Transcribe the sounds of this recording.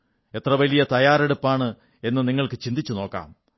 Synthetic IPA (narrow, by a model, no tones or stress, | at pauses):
e̞t̪rɐʋɐlijɐt̪ɐjaːɾe̞ɽupːaːɳɨ | e̞nːɨniŋːɐɭkɨt͡ɕind̪it͡ɕːuno̞ːkːa̰ːm